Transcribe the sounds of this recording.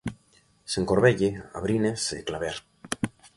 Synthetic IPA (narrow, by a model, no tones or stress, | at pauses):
seŋkoɾβeʎea̰βɾinesḛklaβeɾ